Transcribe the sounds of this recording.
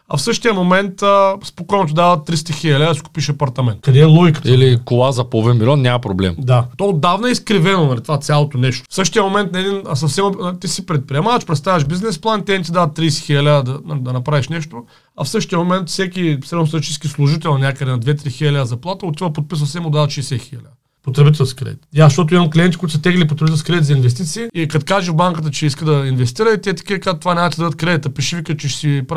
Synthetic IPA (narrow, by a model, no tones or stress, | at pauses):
ɐ̰fsɤʃt̪ijəmomɛnt̪əspokɔjnot̪od̪avɐt̪ːɾist̪ɐxiɐlʲad̪ɐsi̥ku̥piʃɐpɐɾt̪ɐmɛnt̪kɐd̪ɛɛlˠɔjkə̥t̪ilikolˠazɐpovɛmilʲɔnnʲamɐpɾoblɛ̰md̪at̪ood̪avnɐɛiskɾivɛnonɐlʲit̪vat̪sʲjalˠot̪onɛʃt̪o̥fsɤʃt̪ijəmomɛnt̪̚nɐɛd̪insɐfsɛmot̪isipɾɛt̪̚pɾiɛmavɐʃpɾɛt̪st̪avɛʃbiznɛsplˠant̪ɛnit̪̬ʲid̪avɐt̪ːɾiːsɛ̥xilʲɐlʲad̪əd̪ɐnad̪ɐnɐpɾaviʃnɛʃt̪o | ɐ̰fsɤʃt̪iəmomɛnt̪fsɛkʲisɾɛd̪nost̪ɾt̪it͡ʃiskʲislˠuʒit̪ɛlˠnʲakəd̪ɛnɐd̪vɛt̪ɾixilʲɛlʲazɐplˠat̪əot̪ivəpot̪̚piss̬ɐfsɛmod̪avɐt̪ʃɛːsɛxilʲa̰d̪ | pot̪ɾɛbit̪ɛlˠskʲikɾɛ̰d̪ḭt̪jaʃt̪ɔt̪oimɐmklʲiɛnt̪ikuit̪sət̪ɛɡəlip̬ot̪ɾɛbit̪ɛlskɾɛd̪it̪zinvɛst̪it̪siːikɐt̪kaʒivbaŋkət̪̬ət͡ʃɛiskəd̪ɐinvɛst̪iɾəit̪iɛt̪ɐ̥kʲikaət̪ːovanʲamt̪id̪ad̪ət̪̚kɾɛd̪it̪əpiʃivikət͡ʃɛʃsipa